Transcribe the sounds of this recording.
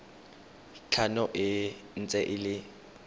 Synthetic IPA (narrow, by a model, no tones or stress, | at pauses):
t͡ɬʰanɔʔɪn̩t͡sʼɛʔɪlɪ